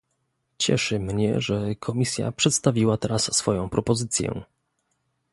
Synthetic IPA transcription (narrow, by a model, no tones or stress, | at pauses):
t͡ɕɛ̰ʂɘmɲɛ̰ʐɛkʰɔmʲisʲja̰pʂɛt̪st̪avʲiwat̪ɛɾasːfɔjɔ̃w̃pɾɔpɔzɘt̪sʲjɛ̰